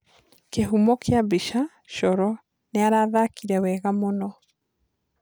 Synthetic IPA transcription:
keɦumɔkʰeabiʃa | ʃɔɾɔ | neaɾaːðakiɾɛwɛɣamonɔ

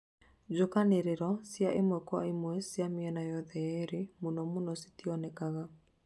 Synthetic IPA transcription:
d͡ʒokaneɾeɾɔsjaʔemwɛkwa̰emwɛsjameɛnajɔðɛɛɾemonɔmonɔsi̥tiɔnɛkaɣa

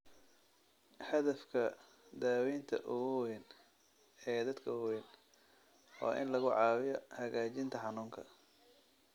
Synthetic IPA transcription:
ħɐðɐfkʰɐ | d̪aːwɛjnt̪ʰɐ̰ʔʊɣwɛn | ɛːd̪ɐd̪kʰɐʊwɛn | wa̰ːʔɪ̰nlɐɣʊʕɑːwɪjɔhɐɣaːt͡ʃɪnt̪ʰɐħɑnuːŋkʰɐ̰

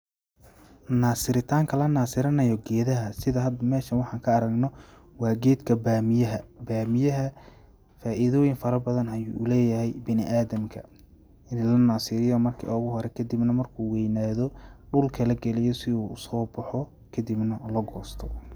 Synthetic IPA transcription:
naːsɪɾɪt̪ʰaːŋkʰɐlɐnaːsɪɾɐnɐjɔɡɛːðɐɦɐsɪðɐɦɐd̪mɛːʃɐnwɑħɑːŋkʰɐːɾɐɡnɔ | wɑːɡɛːd̪kʰɐbmɐbaːmɪjɐɦɐ | faːʔɪðɔːjɪŋfɐɾɐbɐðɐnhɐjṵːʔʊlɛːjɐɦɛjbɪnɪʔaːðɐmkʰɐ | ɪnlɐnaːsɪɾɪjɔmɐrkʰḭːʔɔɣʊɦɔɾɛkʰɐd̪ɪbnɐmɐrkʰuːwɛjnaːðɔɖʊlkʰɐlɛɡɛlɛjɔsɪuːsɔːbɐħɔ | kʰɐd̪ɪbnɐlɔɡɔːst̪ʰɔ

